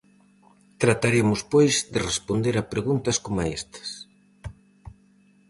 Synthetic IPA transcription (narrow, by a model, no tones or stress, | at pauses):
t̪ɾat̪aɾiɐmʊspojzd̪erespond̪eɾapɾeɣunt̪ɐskomaest̪ɐ̥s